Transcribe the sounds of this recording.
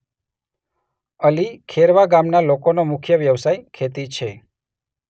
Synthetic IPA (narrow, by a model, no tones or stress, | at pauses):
əlikʰeɾʋaɡamnalokonomʊkʰjəʋjəʋsajkʰet̪it͡ʃʰe